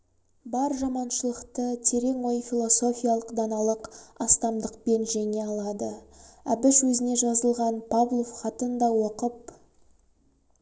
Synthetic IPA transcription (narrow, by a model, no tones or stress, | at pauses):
bɑɾʒɑmɑnʃəlˠəqt̪ət̪ʰe̞ɾe̞ŋwo̞jfʲilˠo̞so̞fʲijalˠəqd̪ɑnɑlˠəqɑst̪ɑmd̪əq̚pe̞nʒæne̞ɑlˠɑd̪əæbɪswɵzɪne̞ʒɑzəlˠʁɑnpʰablˠofχɑt̪ənd̪ɑwo̞qəp̚